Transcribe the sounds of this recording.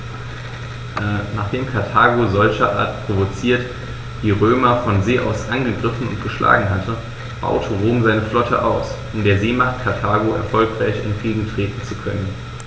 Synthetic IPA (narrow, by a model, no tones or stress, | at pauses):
ʔɛːnaːχd̥eːmkʰaɐtʰaːɡozɔlçɐʔa̰ːɐtpʁ̥ovot͡siːɐt | d̥iːʁøːmɐfɔnzeːʔa̰ʊsʔanɡəɡʁɪfn̩ʊ̰ntɡ̥əʃlʔa̰ːɡŋ̩ɦatʰə | b̥a̰ʊtʰəʁoːmzaɪnəflɔtʰə̰ʔaʊsʔʊmdeːɐzeːmaχt̚kʰaɐtʰaːɡoɛ̰ɐfɔlkʁ̥aɪçɪ̰nfʁ̥iːɡŋ̩tʁ̥eːtn̩t͡sukʰœnən